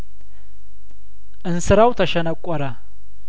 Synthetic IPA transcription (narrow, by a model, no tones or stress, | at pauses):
ʔɨnsɨɾawt̪ʰəʃɛnəkʷʼːɔɾə